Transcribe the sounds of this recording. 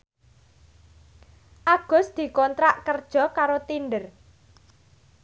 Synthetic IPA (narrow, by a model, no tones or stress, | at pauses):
ʔaɡ̥ʊ̤sd̪̥i̤kɔnt̪ɾaʔkərd̥ʒ̥ɔ̤kaɾot̪inɖər